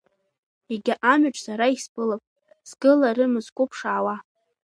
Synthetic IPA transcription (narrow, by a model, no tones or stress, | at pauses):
iɡʲaʔamʏʈ͡ʂʼsaɾaispʼɨlapʼ | z̥ɡɨlaɾɨmɨzkʷʼʊpʰʂawa